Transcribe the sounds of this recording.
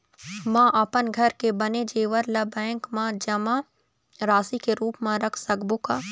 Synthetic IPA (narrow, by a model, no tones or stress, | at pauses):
mãːʔɐpənɡʱɐɾkebɐned͡ʒeːʋəɾlɐbɛ̃ːŋkmãd͡ʒɐmã | ɾaːsikeɾuːpmãɾɐkʰsɐɡboka